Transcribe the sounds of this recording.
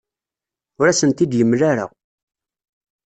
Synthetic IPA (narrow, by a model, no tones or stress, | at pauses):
ʊɾæsənt̪id̪jəmːlæɾə̰ʁ